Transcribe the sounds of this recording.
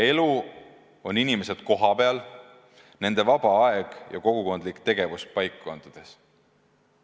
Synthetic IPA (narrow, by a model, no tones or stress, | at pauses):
e̞lu | o̞ninime̞se̞d̪̥ko̞ɦɑpe̞ɑl | ne̞nd̪̥e̞vɑb̥ɑɑeɡ̥jɑ̰ko̞ɡ̥uko̞nd̪likt̪e̞ɡ̥e̞vust̪̚pɑjkːɑnd̪̥ud̪̥e̞s